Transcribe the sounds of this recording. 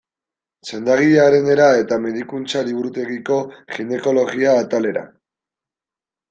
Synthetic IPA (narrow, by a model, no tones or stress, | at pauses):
se̞nd̪aɣ̞iaɾe̞ne̞ɾae̞t̪ame̞ðikunt͡saliβuɾut̪e̞ɣiko̞xine̞ko̞lo̞ɣiaːt̪ale̞ɾa̰